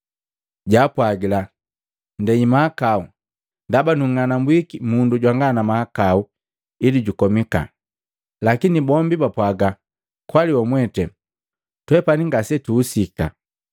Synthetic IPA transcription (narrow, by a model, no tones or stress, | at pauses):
ɟaːpwaɡila | ndɛimaakau | ndabanuŋːanambwikimunduɟwaŋɡanamaakau | iliɟukɔmika̰ | lakinibɔmbibapwaɡa | kwaliwɔmwɛtɛ | twɛpaniŋɡasɛtuːsika̰